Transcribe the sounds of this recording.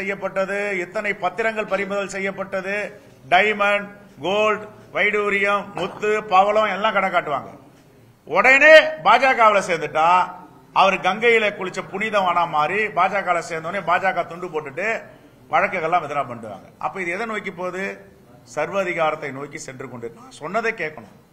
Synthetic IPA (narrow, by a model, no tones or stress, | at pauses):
sɛjːɐpːɐʈːɐðɯɛt̪ːɐnɐɪpɐt̪ːɪɾɐŋɡɐɭpɐɾɪmʊðɐlsɛjːɐpːɐʈːɐðɯ | ɖɐɪmɐɳ | ɡoːlɖ | ʋɐɪɽuːɾɪjɐmːʊt̪ːɯpaʋɐlɐ̃ɛlːãːkɐɽɐkːaːʈːɯʋa̰ːŋɡɐ̰ | ɔɽɐneːbaːd͡ʒaːkaːʋɪlɐseːɾnd̪ɯʈːaː | ɐʋɐɾɡɐŋɡɐjɪlɐkʊɻɪt͡ʃːɐpʊnɪðɐ̃aːnaːmaːɾibaːd͡ʒaːkaːlɐseːɾnd̪oːneːbaːd͡ʒaːkaːt̪ʊɳɖɯpoːʈːɯʈːɯ | ʋʔɐɻɐkːɐɣɐɭlːãːʋɛðɪɾaːpɐɳɖɯʋa̰ːŋɡɐʔɐ̰pːɐːɪðɯɛðɐnoːjkːɯpːoːðɯ | sɐɾʋɐðɪɣaːɾɐt̪ːɐɪnoːjkːɯsɛndrɯkːɔɳɖɯnãːsɔnːɐðeːkeːʈkːɐɳʊ̰̃ː